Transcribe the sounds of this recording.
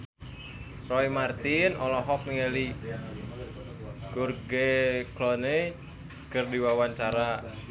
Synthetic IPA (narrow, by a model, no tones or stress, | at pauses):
rɔimart̪ɪnɔlɔɦɔk̚miŋeli | ɡurɡeklɔne | kərdiwawaɲt͡ʃaɾa